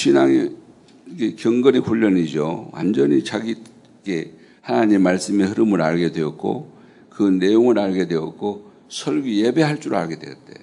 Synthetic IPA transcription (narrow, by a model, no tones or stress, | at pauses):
t͡ɕʰinaŋe | ikekjʌŋɡʌniɸuʎːʌnid͡ʑo̰wa̰nd͡ʑʌɲit͡ɕaɡi | ɡe̞ | hanaɲimːaɭs͈ɯmehɯɾɯmɯɾaɭɡe̞dwe̞ʌt̚k͈o̰ | kɯne̞joŋɯɾaɭɡe̞dwe̞ʌt̚k͈o | sʰʌɭɡije̞be̞ɦaɭt͡ɕ͈uɾɯa̰ɭɡe̞dwe̞̰ʌ̰t̚t͈e̞̰